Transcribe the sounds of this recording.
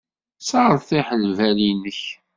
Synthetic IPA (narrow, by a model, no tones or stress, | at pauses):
səʁəɾθiħəlvælinəç